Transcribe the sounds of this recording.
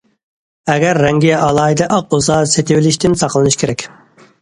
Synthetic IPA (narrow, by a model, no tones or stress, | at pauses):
ɛɡʲɛɾːɛŋɡʲiɑlˠɑːjid̪ɨʔɑq̚bolˠsɑset̪ɪwɪlɪʃt̪ɪnsɑqlˠɨnɨʃkʰʲeɾɛkʲ